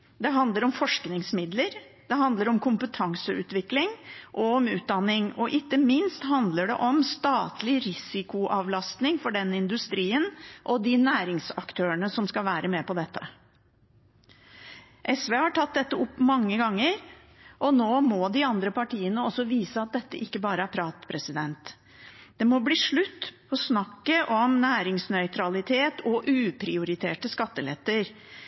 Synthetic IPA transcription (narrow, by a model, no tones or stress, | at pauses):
d̪ɛɦɑnd̪ləɾɔmfɔʂknɪŋsmɪd̪ləɾ | d̪ɛɦɑnd̪ləɾɔmkʰʊmpət̪ʰɑŋsəʉ̰ːt̪ʋɪklɪŋʔɔɔmʉːt̪̚d̪ɑnːɪŋɔʔɪk̪ːəmɪnst̪hɑnd̪ləɖɛ̰ʔɔmst̪ɑːt̪lɪɾɪsɪkʊʔɑːʋlɑst̪nɪŋfɔɖɛnːəɪnd̪ʉst̪ɾiːənʔɔd̪ɪnæːɾɪŋsɑ̰kt̪ʰøːəɳəsɔmskɑlʋæːɾəmeːpɔd̪ɛt̪ʰːə | ʔɛsʋeːhɑʈʰɑt̪̚d̪ɛt̪ːəʊpːmɑŋːəɡɑŋːəɾ | ʔɔnoːmɔd̪ɪɑnd̪ɾəpɑʈʰiːənəɔsːɔʋiːsəɑt̪̚d̪ɛt̪ːəʔɪkːəbɑːɾəæɾpʰɾɑːt̪pʰɾɛsɪd̪ɛnt̪ | d̪̥ɛmɔbliːʂɭʉt̪ːʰ | ɔsnɑkːəʔɔmnæːɾɪŋsnœʏt̪ʰɾɑlɪt̪ʰeːt̪ʰɔʔʉːpʰɾɪʊɾɪt̪ʰeːʈəskɑt̪ːəlɛ̰t̪ːəɾ